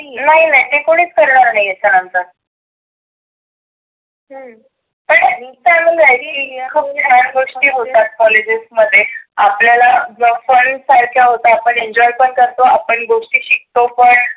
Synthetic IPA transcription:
naɦinaɦit̪ekoɽ̃iːt͡skəɾɳaɾnaɦiesanamt̪əɾ | ɦə | pəɳaɦit̪aməaɽiikʰəp̚kʰəɾaɳɡoʂʈiːɦot̪at̪̚kɔled͡ʑisməd̪ʱːjeapljalaəfəɳsəɾkʰjaɦot̪aːpəɳeɲd͡ʑɔjpəɳkəɾt̪oapəɳɡoʂʈiːɕik̚t̪opəɳ

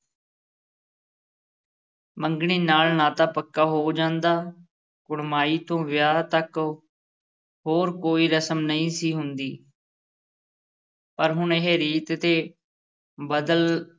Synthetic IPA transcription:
məŋɡɳ̃iːnaːlnaːt̪aːpəkːaːɦoːd͡ʒãːnd̪aː | kʊɽmaːiːt̪õːʋɪjaːt̪ək | ɦoːɾkoːiːɾəsəmnəĩːsiːɦʊnd̪iː | pəɾɦʊɳɪɦeːɾiːt̪t̪eː | bəd̪əl

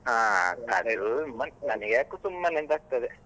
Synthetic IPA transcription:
aːt̪a̰ɽeɾumːɐnnɐnɐɡjaːkuːt̪umːɐnend̪aːɡ̚t̪ɐd̪e

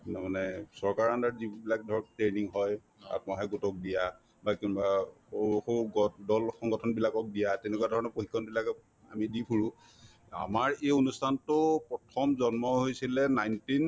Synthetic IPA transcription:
namanɛsɔɹkaɹandaɹzibilak̚dʱɔɹɔktɹejniŋɦɔj | a̰pnaɦɛɡutɔk̚dija | bakinba | oxoɡɔdɔlxɔŋɡɔtʰɔnbilakɔk̚dijatɛnɛkuadʱɔɹɔnɔpoxikʰːɔnbilak | a̰midipʰuɹʊ | a̰maɹeonustʰantʊpɹɔtʰɔmzɔnmɔɦojsilɛnajntin

